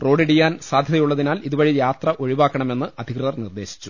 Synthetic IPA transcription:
pro̞ːɖeɽijːaːnsaːd̪ʱjɐðɐjuɭːɐðinaːliðubɐɻijaːt̪rɐʔo̞ɻiʋaːkːɐɳɐme̞nːɨɐd̪ʱiɣrɨðɐrnird̪e̞ːɕi̥t͡ɕːu̥

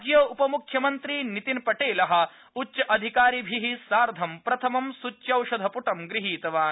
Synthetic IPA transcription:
d͡ʒjɐupɐmukʰjɐmɐnt̪ɾiːnit̪inpɐʈeːlɐɦɐ̆ | utːʃɐʔɐd̪ʱikaːɾibʱiɦisaːɾd̪ʱɐmpɾɐt̪ʰɐmɐmsut͡ʃːjɐwʃɐd̪ʱɐpuʈɐmɡɾiɦiːt̪ɐʋaː

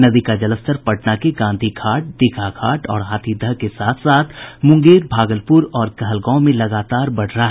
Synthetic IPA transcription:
nɐd̪ikad͡ʒɐləst̪əɾpɐʈnakeɡãːnd̪ʱikʰaːʈ̚d̪ɪkʰakʰaːʈɔːɾɦaːt̪ʰid̪əɦkesaːt̪ʰsaːt̪ʰmʊ̃ŋɡeːɾbʱaːɡəlpʊɾɔːɾkɐɦəlɡãːmẽlɐɡaːt̪aːɾbɐɽ̤ɾɦaɦ

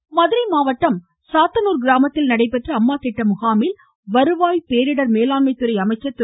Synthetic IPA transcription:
mɐðɯɾɐɪmaːʋɐʈːɐm | saːt̪ːɐnuːɾɡɪɾaːmɐt̪ːɪlnɐɽɐɪpːɛʈrɐɐmːaːt̪ɪʈːɐmʊɣaːmɪl | ʋɐɾɯʋaːjpeːɾɪɽɐɾmeːlaːnmɐɪt̪ːɯɾɐɪɐmɐɪt͡ʃːɐt̪ːɯ

